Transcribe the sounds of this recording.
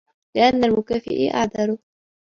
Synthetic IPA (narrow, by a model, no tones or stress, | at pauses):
lɪʔanːalmʊkaːfɪ̰ʔɪ̰ʔa̰ʕd̪ɑɾʊ